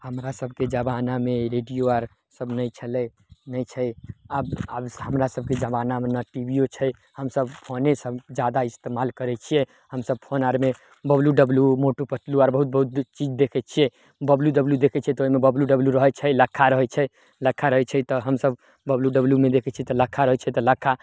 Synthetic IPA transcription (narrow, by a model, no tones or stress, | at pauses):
həmɾasəb̚ʱked͡ʒəbanameɾeɖijoaɾ | səbnəjt͡ʃʰəlɛ | nəjt͡ʃʰɛababɦəmɾasəb̚ked͡ʒəbanamenəʈibijot͡ʃʰɛj | həmsəbpʰonesəbd͡ʒad̪aist̪emalkəɾɛt͡ʃʰijɛ | həmsəb̚pʰonaɾme | bəbljuɖəbljumoʈopəʈluaɾbəɦut̪̚bəɦut̪̚t͡ʃid͡ʒd̪ekʰɛt͡ʃʰijɛ | bəbljuɖəbljud̪ekʰɛt͡ʃʰiɛt̪ɔoimebəbljuɖəbljuɾəɦɛt͡ʃʰɛləkʰːaɾəɦɛt͡ʃʰɛ | ləkʰːaɾəɦɛt͡ʃʰɛt̪ɔɦəmsəbː | əbljuɖəbljumed̪ekʰɛt͡ʃʰiɛt̪ɔləkʰːaɾəɦɛt͡ʃʰɛt̪ɔləkʰːa